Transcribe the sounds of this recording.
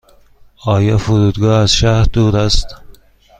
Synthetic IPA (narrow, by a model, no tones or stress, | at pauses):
ɒːjɑfʊɾuːd̪ɡɑːazʃahɾd̪uːɾast̪